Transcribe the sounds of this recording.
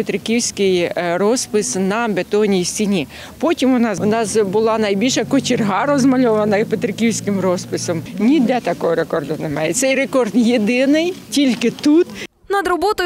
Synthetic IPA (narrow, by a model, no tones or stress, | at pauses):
pet̪ɾɪkʲiwsʲkɪjɾɔspɪsnɐbet̪ɔnʲijsʲt͡sʲinʲi | pɔtʲimʊnɑsʊnɑsbʊlˠɑnɐjbʲilʲʃɐkɔt͡ʃɪrɦɑɾɔzmɐlʲɔʋɐnɐpet̪ɾɪkʲiwsʲkɪmrɔspɪsɔmnʲid̪ʲɛt̪ɐkɔɦɔɾekɔrd̪ʊnemɑ̰jɛt̪sɛjɾekɔrd̪jed̪ɪnɪjtʲilʲkɪt̪ut̪ | nɐd̪ɾɔbɔt̪ɔ